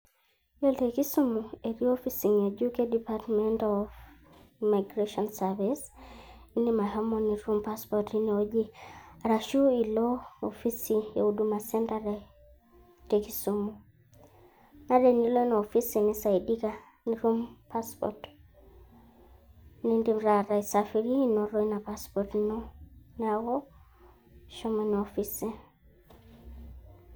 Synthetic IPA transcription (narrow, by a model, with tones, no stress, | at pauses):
jɔteki˦sumue˨ɾio˦fi˦si˨ŋjad͡ʒu˦kedipatmɛntɔv | ima˨ɡɾeʃɔnsavis | i˦ni˦ma˨ɦamɔni˨ɾu˦mpaspɔtiniod͡ʒi˦aɾaʃu˦i˨lɔɔfi˦sija˨uduma˨sɛ˦ntaɾɛ | teki˦sumu | na˦ɾe˨ni˦lo˦na˨ɔ˨fi˦si˨ni˦sa˨i˨di˦ka˨ | ni˨ɾu˦mpa˦spɔ̰t | ni˦ndi˦mɾa˨ɾa˨i˨sa˨fi˨ɾi˦nɔ˨ɾɔ˦i˦na˨pa˦spɔtnɔ˦na˨ɣɔ˦ | ʃɔ˦mɔni˨ɔfi˦si˦